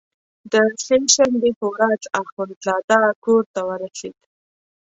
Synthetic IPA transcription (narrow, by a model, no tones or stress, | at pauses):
d̪əseʃambepəwɾad͡zaxʊnt̪lɑd̪ɑkoɾt̪awəɾased̪̥